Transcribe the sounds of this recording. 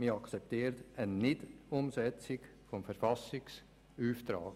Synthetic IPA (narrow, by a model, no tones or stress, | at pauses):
mɪɑkt͡sɛp̚t̪iːɾt̪ənɪdʊmsɛt͡sɪɡ | fɔmfəɾfɑsɪks | yːft̪ɾa̰ːɡ